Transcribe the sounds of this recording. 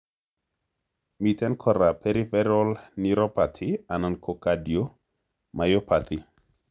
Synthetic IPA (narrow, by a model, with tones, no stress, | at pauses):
mi˨tɛ˦nkʰɔ˨ɾa˨pɛɾi˦fɛɾɔ˦lniɾɔ˦pat̪ʰɪa˨na˨nkʰo˨kadjo˦ | ma˨jɔ˦pa˨t̪ʰɪ˨